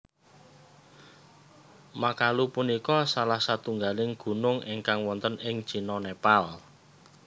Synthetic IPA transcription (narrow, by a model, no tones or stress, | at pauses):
makalupunikɔsalahsat̪uŋɡalɪŋɡ̥ṳnʊŋeŋkaŋwɔnt̪ənɪŋ̥ʒ̥i̤nɔnepal